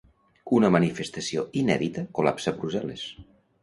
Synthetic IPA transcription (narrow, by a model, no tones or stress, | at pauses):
unəmənifest̪əsioinɛðit̪əkula̰psəːbɾuzɛlḛs